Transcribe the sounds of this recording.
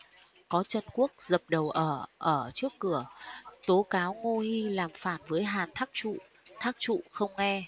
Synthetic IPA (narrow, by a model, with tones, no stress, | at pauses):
kɔ˨˦t͡ɕə˧˩nku˦˥ək̚zə˨˩p̚ɗə˨˩wʔəː˧˩ʔəː˧˩t͡ɕɨ˦˥əkːɨ˧˩ət̪o˨˦kaː˨˦wŋo˧hi˧laː˨˩mfaː˧˩nvəː˨˦jɦaː˨˩nt̪ʰa˦˥k̚t͡ɕṵ˧˨ | t̪ʰaː˦˥k̚t͡ɕṵ˧˨xə˧wŋ͡mŋɛ˧